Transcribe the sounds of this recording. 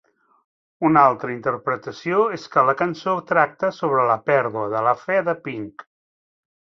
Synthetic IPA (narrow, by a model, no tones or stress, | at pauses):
unalˠt̪ɾəint̪əɾpɾət̪əsioeskələkənsot̪ɾak̚t̪əsoβɾələpɛɾðuəðələfɛðəpiŋk